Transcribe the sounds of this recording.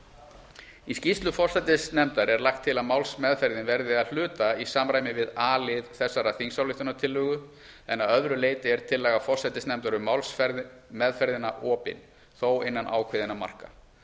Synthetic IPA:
iscist̪lʏfɔr̥sɛt̪ɪsnɛmt̪aɾɛɾlaxt̪ʰːɪlaðmawlsmɛðfɛɾðɪnvɛɾðɪaðl̥ʏːt̪aisaːmɾaːjmɪvɪðaːlɪðθɛsːaɾaθiŋsawlɪht̪ʏnat̪ʰɪlːʏːɣʏ | ɛnːaðœðɾʏleːjt̪ɪɛɾ̥t̪ʰɪlːɛːɣafɔr̥sɛt̪ɪsnɛmt̪aɾʏmawlsfɛɾðmɛðfɛɾðɪnaʔɔːpɪ̰n | θowɪnːanʔa̰ːwkʰvɪːðɪnama̰r̥ka̰

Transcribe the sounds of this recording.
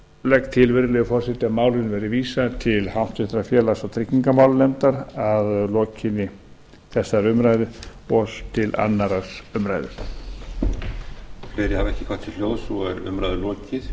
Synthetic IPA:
lɛk̚t̪ʰɪlvɪɾlɛɣʏfɔr̥sɪt̪ɪamaːwlɪnvɛːɾɪviːsat̪ʰɪlhawn̥t̪ʏht̪ɾafjɛːlasɔɣt̪ʰɾɪcːiŋkamawlnɛmt̪aɾaðlɔːcɪnɪ | θɛsːaɾʏmɾajðɪɔðt̪ʰɪla̰nːaɾasʏmɾajðʏ̰ɾ̥ | flɪːɾɪhavɛhcɪ̥kʰvaht̪ʰɪlljoːwsɔɛɾʏ̰mɾajðʏlɔːcɪð

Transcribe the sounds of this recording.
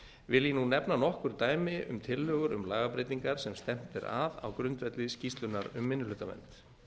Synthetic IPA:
vɪljɛnunɛpnanɔhkʏɾ̥t̪aːjmɪʔʏ̰mt̪ʰɪlːœːɣʏɾʏ̰mlaːɣapɾɪjt̪iŋkaɾ̥sɛmst̪ɛm̥t̪ɪɾa̰ða̰wkɾʏnt̪vɛt̪lɪscist̪lʏnːaɾʏmːɪnːʏlʏːt̪amɛ̰nt̪

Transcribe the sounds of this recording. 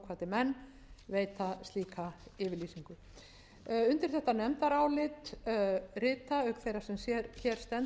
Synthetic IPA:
kʰvaːt̪ɪmɛnː | veːjt̪ast̪liːkaɪːvɪɾliːsiŋkʏ | ʏnt̪ɪɾ̥θɛht̪anɛmt̪aɾaːwlɪt̪ | rɪːt̪aœkθejɾḁsɛmsjɛɾçɛɾ̥st̪ɛn

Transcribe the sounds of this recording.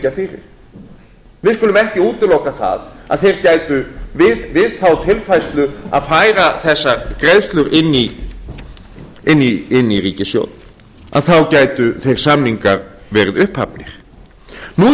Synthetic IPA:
cafɪɾɪ̰ɾ̥ | vɪðskʏlʏmɛhcɪuːt̪ɪlowkaθa̰ða̰ðθejɾcaːjt̪ʏvɪðvɪðθawt̪ʰɪlfajst̪lʏa̰ðfaːjɾaθɛsːaɾkɾeðst̪lʏɾʔɪnːi | ɪnːiɪnːiɾiːcɪsjo̰wt̪n | ʔa̰ðθawcaːjt̪ʏθejɾ̥samniŋkaɾvɛːɾɪðʏhpha̰pnɪɾ̥ | nu

